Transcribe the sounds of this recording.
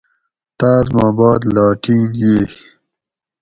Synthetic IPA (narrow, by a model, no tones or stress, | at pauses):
t̪aːzmaːbaːd̪laːʈiːnd͡ʑeː